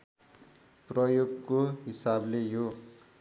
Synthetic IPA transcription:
prʌjoɡkoɦisablejo

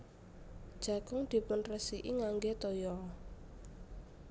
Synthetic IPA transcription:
d̥ʒ̥a̤ɡ̥ʊŋd̪̥i̤pʊnrəsiʔiŋaŋɡet̪ɔjɔ

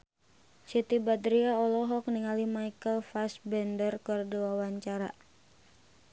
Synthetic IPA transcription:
sit̪ibad̪ɾiaɔlɔɦɔk̚niŋalimajkəlfasbɛndərkərdiwawaɲt͡ʃaɾa̰

